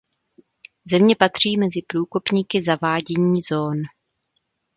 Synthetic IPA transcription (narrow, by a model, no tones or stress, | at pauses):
zɛmɲɛpat̪r̝̥iːmɛzɪpɾuːkopɲiːkɪzavaːɟɛɲiːzo̞ːn